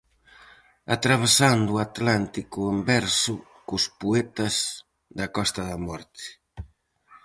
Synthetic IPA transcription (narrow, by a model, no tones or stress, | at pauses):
at̪ɾaβ̞esand̪uat̪lant̪ikʊembɛɾsʊ | kʊspuet̪ɐz | d̪ɐkɔst̪ɐðɐmɔɾt̪ɪ̥